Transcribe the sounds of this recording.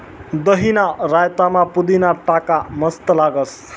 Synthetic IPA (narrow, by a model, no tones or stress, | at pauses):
d̪ʌɦinaɾajt̪amapud̪inaʈakamʌst̪ʌlaɡʌs